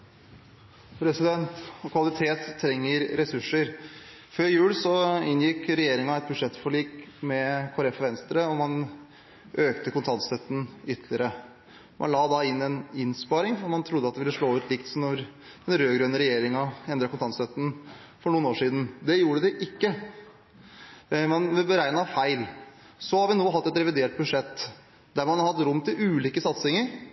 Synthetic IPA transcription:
pʰɾɛsɪd̪ɛnt̪kʰʋɑlɪt̪ʰeːt̪ʰːɾɛŋːəɾɾɛsʉʂəɾ | føːɾjʉːlsɔɪnjɪkɾɛjeːɾɪŋɑɛt̪̚bʉd̪ʂɛt̪ːfɔɭiːkmɛkʰʊɾɛfɑʋɛnst̪ɾəɔmɑn | ʔøːkt̪əkʊnt̪ʰɑnst̪œt̪ːən̩ʏt̪ʰlɪəɾə | mʔɑ̰nlɑːd̪ɑɪnːɛnɪnspɑɾɪŋfmɑnt̪ʰɾʊd̪ːəɑt̪̚d̪ɛʋɪlːəʂɭoːʉːt̪lɪkt̪snɔɾ | ɛnɾøːɡɾœnːəɾɛjeːɾɪŋɑɛnd̪ɾɑkʰʊnt̪ɑnst̪œt̪ːən | fɔɳuːnoːʂiːd̪n̩d̪ɛjuːɾəd̪ɪʔɪkːə | mɑnʋɛbəɾæɪənɑʋfæɪl | sɔhɑɾʋɪnoːɦɑt̪ːɛt̪ɾɛʋɪd̪eːʈ̚bʉʂɛt̪ː | d̪æɾmɑnɑɾhɑt̪ɾʊmːt̪ʰɪlʉːliːkəsɑt̪sɪŋəɾ

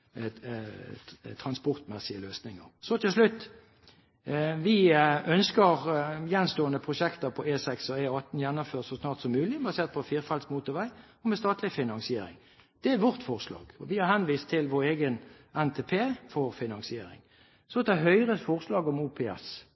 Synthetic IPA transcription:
t̪ʰʁɑnspɔʁt̪mɛsɪəløːsnɪŋə̰ɾsɔt̪ʰɪlslʉt̪ː | ʋɪœnskəʁjɛnst̪oːənəpʰʁʊʃɛkt̪əɾpʰɔeːsɛksɔeɑt̪n̩jɛnːʊføːʁt̪sɔsnɑːʁt̪sɔmːʉːlɪbɑseːʁt̪̚pʰɔfiːʁfɑlsmuːt̪ʊʋæɪ | ɔmɛst̪ɑːt̪lɪfɪnɑŋsɪeːɾɪ̰ŋ | d̪̥ɛæʋɔʁt̪fɔʁslɑ̰ːɡɔʋɪhɑɾhɛnʋiːst̪ʰːɪlʋɔʁeːɡən | ɛnt̪ʰeːpʰeːfɔʁfɪnɑŋsɪeːɾɪ̰ŋ | sɔt̪ɛɦœʏʁəfɔʁslɑːɡɔmuːpʰɛɛ̰s

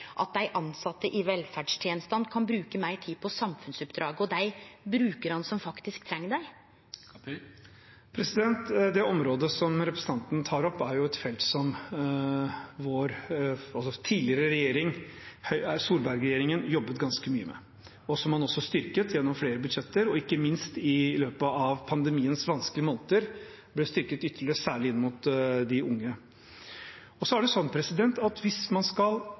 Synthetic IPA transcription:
ʔɑ̰t̪̚d̪æɪʔɑnsɑt̪ːəʔɪʋɛlfæɖʂt̪ʰjɛːnst̪ɑnd̪kʰɑnbɾʉːkəmæɪʈʰiːpʰɔsɑmfʉnsʉpd̪ɾɑːɡəɔd̪æɪbɾʉːkəɾhɑnsɔmfɑkt̪ɪsk̚t̪ʰɾɛŋːɖ̪æɪ | pʰɾɛsɪd̪ɛnt̪d̪ɛɔmɾoːd̪əsɔmɾɛpɾəsət̪ʰɑnt̪nt̪ʰɑːɾɔpːæɾjʊɛt̪fɛlt̪sɔm | ʋoːɾɑlsɔt̪ʰiːdlɪəɾəɾɛjeːɾɪŋhœʏæɾsuːɾbæɾɡɾjeːɾɪŋənjɔbːət̪ɡɑnskəmy̰ːə̰mɛ̰ | ɔsɔmhɑnɔsːɔst̪ʏɾkət̪jɛnːɔmfleːɾəbʉd̪ʂɛt̪ːəɾɔɪkːəmɪnst̪ɪløːpəɑʋpʰɑnd̪əmiːənsʋɑnskəlɪəmoːnət̪əɾ | blɛst̪ʏɾkət̪ʏt̪ʰːəɭɪɾəsæːɭɪɪnːmʊt̪d̪ɪʊŋːə | ɔsɔæɖɛsɔnːpʰɾɛsɪd̪ɛnt̪ɑt̪ʋɪsmɑnskɑl

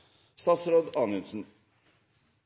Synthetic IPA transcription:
st̪ɑːt̪sɾoːd̪ɑːnʉnsn̩

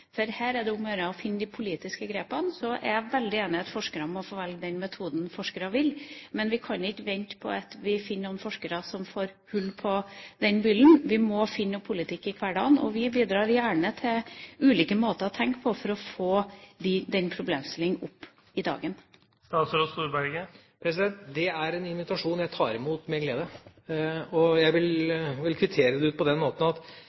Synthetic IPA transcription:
fɔɾhæːɾæɖ̪ɛʊmœɾəɔfɪnːəd̪ɪpʰʊliːt̪ɪskəɡɾeːpɑnsɔʔɛ̰ɾjæʋɛld̪ɪeːnɪɑt̪fɔʂkəɾəmɔfoːʋɛlɡ̚d̪ɛnmɛt̪ʰuːd̪n̩fɔʂkəɾɑʋɪlmɛnʋɪkʰɑnɪkːəʋɛnt̪pʰɔ̰ɑt̪ʋɪfɪnːnuːnfɔʂkəɾɑsɔmfoːɾhʉlːpʰɔd̪ɛnbʏlːnʋɪmɔfɪnːɔpʰʊlɪt̪ʰɪkːɪkʰʋæɖɑ̰ːnɔ̰ʋɪbiːd̪ɾɑːɾjæːɳət̪ʰɪlʉːliːkəmoːt̪əɾɔt̪ʰɛŋkpʰɔfɔɾɔfoːd̪ɪd̪ɛnpʰɾʊblḛːmst̪ɪlɪŋʔʊpː | ɪd̪ɑ̰ːɡən | st̪ɑsɾost̪uːɾbæɾɡə | pʰɾɛs̬ɪd̪ɛnt̪d̪ɛæɾɛnɪnʋɪt̪ɑʂuːnjæɪt̪ʰɑːɾɪmuːt̪mɛɡleːd̪ə | ɔjæɪʋɪlʋɪlkʰʋɪt̪ʰeːɾəd̪ɛʉːt̪pɔd̪ɛnmoːt̪n̩ɑt̪

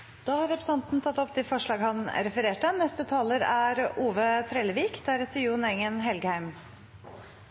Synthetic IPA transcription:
d̪̥ɑːhɑɾːɛpɾəsɑnt̪n̩t̪ʰɑt̪ːɔpt̪ʰɪfɔʂɭɑːɡhɑnɾɛfəɾeːʈənɛst̪ət̪ʰɑːləɾæɾuːʋət̪ʰɾeːləʋiːkd̪æɾɛt̪ʰːəjuːnɛŋənɦɛlɡəhæɪm

